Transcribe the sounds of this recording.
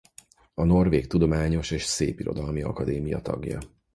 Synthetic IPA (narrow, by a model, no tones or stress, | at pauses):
ɒno̞rveːkt̪ud̪o̞maːɲo̞ʃeːʃsḛːpiɾo̞̰d̪ɒlmiɒkɒd̪eːmijɒ̰t̪ɒɡjɒ̰